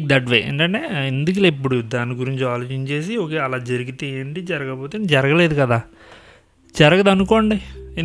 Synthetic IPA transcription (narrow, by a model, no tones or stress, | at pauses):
kd̪ɐʈ̬ʋḛːḛːɳʈɐɳʈe̞ːend̪uk̬ɐlɐipːuɽud̪aːniɡuɾiɲt͡ʃiaːlo̞ːt͡ʃiɲt͡ʃe̞ːs̬ioːk̬e̞ːɐlaːd͡ʒɐɾuɡit̪eeːɳʈid͡ʒɐɾɐɡɐpoːt̪eːnd̪id͡ʒɐɾɐɡɐle̞ːd̪ukɐd̪aː | d͡ʒɐɾɐɡɐd̪ɐnuko̞ːɳɖi